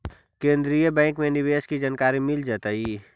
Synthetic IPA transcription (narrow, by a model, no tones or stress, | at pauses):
kẽːnd̪ɾijəbɛ̃ːŋkmẽnɪʋeːskid͡ʒaːnkaːɾimɪld͡ʒaːt̪ai